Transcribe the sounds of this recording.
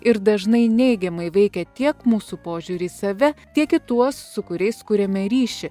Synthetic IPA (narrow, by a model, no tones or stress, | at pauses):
ɪɾd̪ɐʒnɐɪnʲɛɪɡʲɛmɐɪʋʲɛɪkʲɛt̪ʲiɛkmuːsupoːʒʲuːɾʲiːsɐʋʲɛt̪ʲiɛkɪt̪uɔsːʊkʊɾʲɛɪskʊɾʲɛmʲɛɾʲiːʃʲɪ